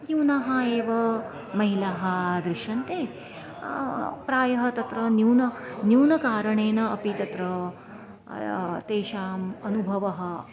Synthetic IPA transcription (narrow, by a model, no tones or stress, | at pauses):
njuːnaːɦɐeːʋɐ | mɐɦilaːɦɐd̪ɾɪʃɐnt̪eː | pɾaːjɐɦɐ̆t̪ɐt̪ɾɐnjuːnɐnjuːnɐkaːɾɐɳeːnɐɐpit̪ɐt̪ɾɐ | t̪eːʃaːmɐnubʱɐʋɐɦɐ̆